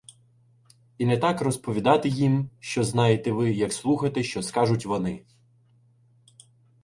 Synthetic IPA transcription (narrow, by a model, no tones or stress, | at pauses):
inɛt̪ɑkrɔspɔʋʲid̪ɑt̪ɪjimʃt͡ʃɔznɑjet̪ɛʋɪjɐkslˠuxɐt̪ɛʃt͡ʃɔskɑʒʊtʲʋɔnɪ